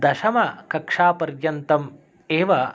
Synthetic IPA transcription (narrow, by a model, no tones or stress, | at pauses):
d̪ɐʃɐmɐkɐkʂaːpɐɾjɐnt̪ɐm | eːʋɐ